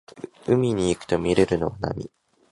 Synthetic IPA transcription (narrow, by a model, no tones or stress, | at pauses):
ɯ̟mʲiɲ̟iːkɯ̥t̪o̞mʲiɾe̞ɾɯ̟no̞βana̰mʲḭ